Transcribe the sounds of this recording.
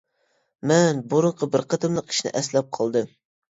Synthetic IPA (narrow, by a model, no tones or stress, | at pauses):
mɛnbuɾʊɴqʰəbɪɾqʰɑt̪ʰɨmlˠəqi̥ʃnɪ̰ʔɛslɛp̚qʰɑlˠd̪ɨm